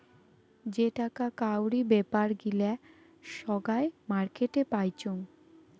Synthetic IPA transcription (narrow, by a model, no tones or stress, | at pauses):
d͡ʑeʈakakawɾibepaɾɡilɛ | ʃɔɡaemaɾkeʈepajt͡ɕoŋ